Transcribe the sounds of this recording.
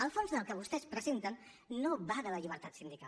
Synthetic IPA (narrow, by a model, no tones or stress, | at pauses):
əlˠfonzðəlˠkəβust̪ɛspɾəzent̪ənː | noβaðələʎiβ̞əɾt̪at̪sind̪ika̰l